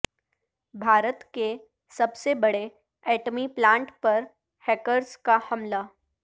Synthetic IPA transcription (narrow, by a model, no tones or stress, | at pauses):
bʱaːɾət̪ke | sɐbsebɐɽe | ɛːʈəmiplãːɳʈpɐɾ | hɛːkəɾskahɐmla